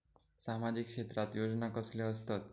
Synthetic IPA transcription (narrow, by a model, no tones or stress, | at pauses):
samad͡ʑikʂet̪ɾat̪jod͡ʒnakəsleəst̪ət̪